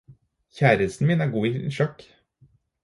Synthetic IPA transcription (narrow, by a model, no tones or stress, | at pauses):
çæːɾəst̪n̩miːnæːɾɡuːiʃœk